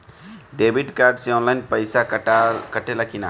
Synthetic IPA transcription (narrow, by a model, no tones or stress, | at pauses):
ɖebʱiɖkaɾɖsẽɔ̃nlaɪnpəjsakəʈelakina̰